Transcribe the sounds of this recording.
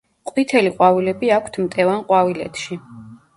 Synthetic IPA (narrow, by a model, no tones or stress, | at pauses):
qʼwit̪ʰɛliqʼwavilɛbiakʷʰt̪ʰmt̪ʼɛvanqʼwavilɛ̰t̪ʰʃi